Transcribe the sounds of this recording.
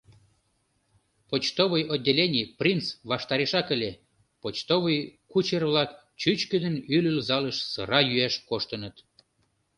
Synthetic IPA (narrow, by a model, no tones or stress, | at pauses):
pot͡ɕt̪oβəjodʲːelʲenʲijprʲint͡sβɑʃt̪ɑɾeʃɑkə̆lʲe | pot͡ɕt̪oβəjkut͡ɕerβlɑk | t͡ɕyt͡ɕkəd̪ənylylzɑləʃsə̰ɾɑjyæʃkoʃt̪ənət̪